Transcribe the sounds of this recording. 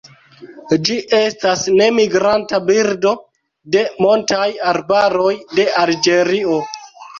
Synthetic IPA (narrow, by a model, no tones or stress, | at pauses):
d͡ʒiʔe̞stasne̞miɡɾantabiɾdo̞ | de̞montajaɾbaɾo̞jde̞ald͡ʒe̞ɾio̞